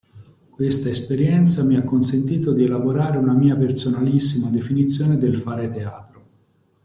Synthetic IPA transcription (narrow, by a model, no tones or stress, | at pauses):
kwest̪aespeɾjɛnt̪samiakːonsent̪iːt̪od̪ielaboɾaːɾeunamiːapersonalisːimad̪efinit̪sːjoːned̪elfaːɾet̪eaːt̪ɾo